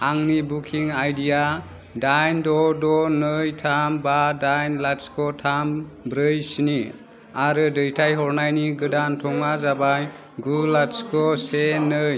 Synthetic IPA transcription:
aŋnibukʰiŋajdija | dajndɔdɔnɯjtʰambadajnlatskʰɔtʰambɾɯjsini | aɾɯdɯjtʰajɦɔɾnajniɡɯdantʰɔŋmazabaj | ɡulatskʰɔsenɯj

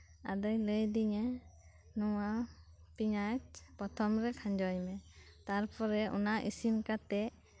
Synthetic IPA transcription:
a̰d̪əjləjd̪iŋɛ | nɔwa | piŋat͡ʃpɔt̪ʰɔmɾɛkʰãɲd͡ʒɔjmɛt̪aɾpɔɾɛɔ̰naʔisinkat̪ɛ

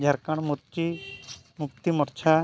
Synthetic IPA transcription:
d͡ʒʱaɾkaɽ̃muɾt͡ʃi | muk̚t̪imɔɾt͡ʃʰa

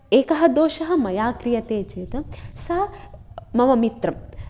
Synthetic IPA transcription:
eːkɐɦɐd̪oːʃɐɦɐ̆mɐjaːkɾijɐt̪eːt͡ʃeːt̪ɐsɐ | mɐʋɐmit̪ɾɐm

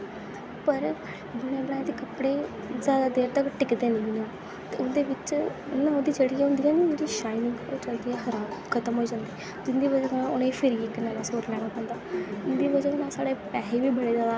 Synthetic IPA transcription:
pəɾ | bʊnẽːəbɽãːd̪eːkəpɽeː | zjaːd̪aːd̪eːɾt̪əkʈɪkd̪eːnɪinãː | t̪eːʊnd̪eːʋɪt͡ʃnãːõd̪iːd͡ʒeːɽiːaɦʊ̃nd̪iːãːnid͡ʒeːɽiːʃaːilɪ̃ŋɡoːt͡ʃəld̪iːɛ̃ːxəɾaːmkʰət̪əmɦoːiːd͡ʒãːnd̪iː | d͡ʒɪnd̪iːβəd͡ʒəknãʊnẽːpʰɪɾiːkːnaːlãːsoːɾlɛːɽ̃aːpɛ̃ːnd̪aːd͡ʒɪnd̪iːbəd͡ʒənãːsaːɽeːpɛːeːʋiːbəɽeːzaːd̪aː

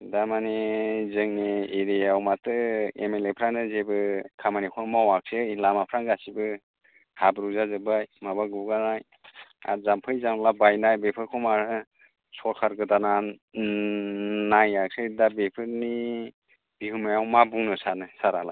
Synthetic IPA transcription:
damanezɯŋnieɾijawmatɯemelepʰɾanɯzebɯkʰamanikʰɔmawak̚seilamapʰɾaŋɡasibɯ | habɾuzazɯbajmabaɡuɡanaj | a̰zampʰɯjzamlabajnajbepʰɯɾkʰɔmaɾɯ | sɔɾkʰaɾɡɯdana | najak̚sedabepʰɯɾni | b̥ihɯmajawmabuŋnɯsanɯsaɾa̰la̰j

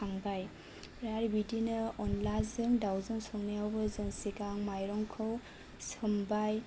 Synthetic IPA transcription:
aŋbaj | ɾaɾbidinɯɔnlazɯŋdawzɯŋsɔŋnijawbɯzɯŋsiɡaŋmajɾɔŋkʰɯw | sɯmbaj

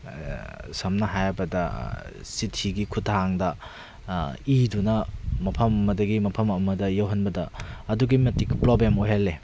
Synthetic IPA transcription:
sɐmnɐɦajbɐdɐsitʰiɡikʰutʰaŋdɐ | idunɐmɐpʰɐmɐmɐdɐɡimɐpʰɐmɐmɐdɐjɐwɦɐnbɐdɐɐduɡimɐtikpɾoblemoɦelːe

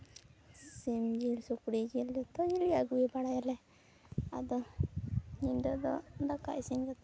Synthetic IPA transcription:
simd͡ʒilsukɽid͡ʒild̪ɔt̪ɔd͡ʒilijaɡuibaɽajalɛ | a̰d̪ɔ | ɲinɖɔd̪ɔ̰nd̪aka̰ʔisinɡat̪

